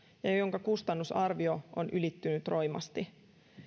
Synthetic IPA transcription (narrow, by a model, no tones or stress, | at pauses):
jɑjjo̞ŋkɑkust̪ɑnːusɑrʋio̞onʔylit̪ːynyt̪ro̞jmɑ̰st̪i